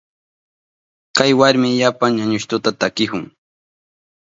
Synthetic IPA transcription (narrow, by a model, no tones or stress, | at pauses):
kajwaɾmɪʎapaŋɲaɲʊʃt̪ʊt̪at̪akɪhʊŋ